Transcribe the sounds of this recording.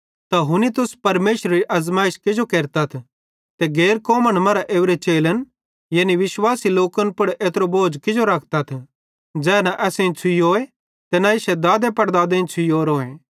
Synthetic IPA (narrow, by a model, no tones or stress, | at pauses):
t̪aɦʊnit̪ʊspɐɾmeːʃɾɾiʔɐzmaːɪʃkɪd͡ʒokeːɾt̪at̪ʰ | t̪eɡeːɾkoːməɽ̃mɐɾaʔeːʋɾet͡ʃeːlən | jɐniʋɪʃwaːsiloːkənpʊɽʔeːt̪ɾoboːd͡ʒkɪd͡ʒoɾɐk̚ʰt̪at̪ʰ | d͡ʒɛːnaʔɛːsẽt͡sʰʊijoːe | t̪enaɪʃɛd̪aːd̪epɐɾd̪aːd̪ẽːt͡ʃʰʊjoːɾoːẽ